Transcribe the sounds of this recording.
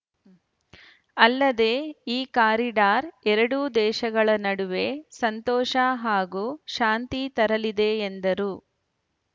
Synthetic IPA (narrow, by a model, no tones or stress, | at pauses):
ɐlːɐd̪e̞ːiːkaːɾiɖaːɾɛɾɐɽud̪ɛːʃɐɡɐɭɐnɐɽuʋe̞ːsɐnt̪ɔːʃaɦaːɡuːʃaːnt̪it̪ɐɾɐlid̪e̞ːnd̪ɐɾu